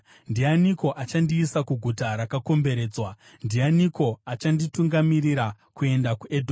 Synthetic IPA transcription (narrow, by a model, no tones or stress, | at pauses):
ndianiko̞ʔat͡ʃandiːsakuɡʱutaɾakako̞mbe̞ɾe̞ːd͡zwa | ndianiko̞at͡ʃandituŋɡamiriɾa | kue̞ndakuʔedʱo